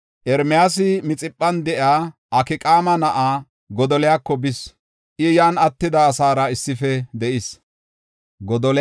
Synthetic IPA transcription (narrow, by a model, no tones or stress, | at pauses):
ʔɛɾmɪjaːsɪmɪt͡sʼɪpʼːɐnd̪ɛʔjaːʔɐkɪkʼaːmɐnɐʔaː | ɡɔd̪ɔlɪjaːkːɔbɪs | ʔɪjaːnɐt̪ːɪd̪ɐːsaːɾɐɪsːɪfɛd̪ɛʔɪs | ɡɔd̪ɔl